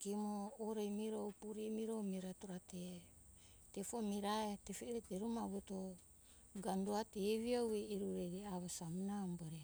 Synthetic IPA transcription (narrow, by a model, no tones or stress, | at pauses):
kimoːɾejmiɾowpuɾimiɾowmiɾatoɾate | tefomiɾaetefeɾeteɾumaɡuto | ɡanduateβiaweiɾuɾejɡeaβasamunamboɾe